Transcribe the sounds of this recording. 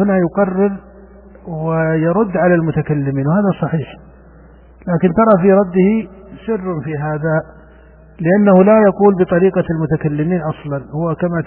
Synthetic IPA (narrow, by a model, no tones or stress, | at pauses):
ʊnajʊqɑrːɪɾ | wɪjɑɾˤʊd̪ːʕalalmʊt̪akalːɪmiːnwhaːðasˤɑħiːħ | laːkɪnt̪ɑɾˤɑfiɾˤɑd̪ːɪhisɪrːnfiɦaːða | lɪʔanːahʊlajɑquːlbɨt̪ˤɑɾiːqɑlmʊt̪akalːɪmiːnʔɑsˤlɑnhʊwakama